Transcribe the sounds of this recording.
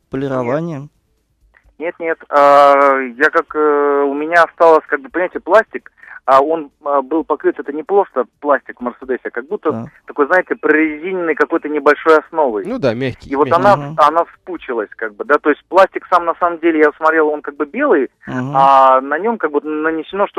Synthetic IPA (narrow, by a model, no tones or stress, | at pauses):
pəlʲɪɾɐvanʲɪjə | nʲe̞t̪nʲe̞t̪ajakakəʊmʲɪnʲaɐst̪alˠəsʲkaɡ̚bɨpənʲɪmaɪtʲɪəplˠasʲtʲɪk | əo̞nəbɨlˠpɐkɾɨt̪ɛt̪ənʲɪplˠo̞st̪əplˠasʲtʲɪkvmʲərsʲɨd̪ɛsʲɪakɐɡ̚but̪ːət̪ɐko̞jznajɪtʲɪpɾəɪzʲinʲɪnːəjkɐko̞jt̪ənʲɪbɐlʲʂo̞jɐsno̞vəjnud̪amʲaxʲivo̞t̪ɐnaɐnafsput͡ɕɪlˠəsʲkaɡ̚bɨd̪at̪o̞ɪsʲt̚ʲplˠasʲtʲɪksamnɐsaməmdʲelʲɪjasmɐt̪ɾʲe̞lˠo̞nkaɡ̚bɨbʲe̞lˠɨj | anɐnʲo̞mkaɡ̚bɨvot̪nənʲɪsʲɪno̞ʂt̪o